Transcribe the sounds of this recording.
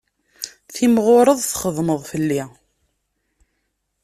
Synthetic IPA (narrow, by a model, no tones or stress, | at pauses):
θimʁʊɾˤəðˤθχəðˤməðˤfəlːi